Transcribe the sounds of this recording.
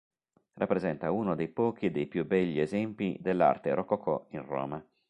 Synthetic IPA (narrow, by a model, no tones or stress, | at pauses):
rʔapːɾezɛnt̪aunod̪ejpɔːk̟id̪ejpjubɛʎːiezɛmpid̪elːa̰rt̪eɾʔɔkɔkʰɔ̰inrɔ̰ːma